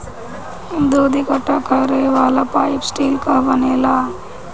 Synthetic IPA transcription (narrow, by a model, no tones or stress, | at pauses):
ind̪uːd̪ikɐʈːakaɾeʋaːlapaːjpsʈiːlkabɐneːla